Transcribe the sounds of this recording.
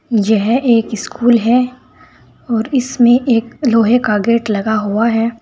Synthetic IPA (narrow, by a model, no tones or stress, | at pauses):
jɛɦʔeːkɪskʰuːlɦɛ | ɔːɾɪsmẽʔeːkloːɦekaːɡeːʈlɐɡaɦuaɦɛː